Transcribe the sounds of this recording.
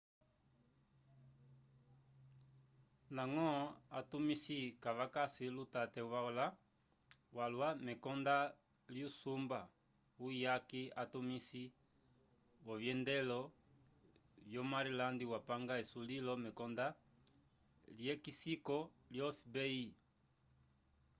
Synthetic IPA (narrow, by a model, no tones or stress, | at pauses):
naŋɔatumisikavakasilutatɛvaɔla | walwamɛkɔnda | ljusumba | ujakiatumisi | wɔvjɛndɛlɔ | vjɔmaɾilandiwapaŋɡaɛsulilɔmɛkɔnda | ljɛkisikɔ | ljɔfibɛi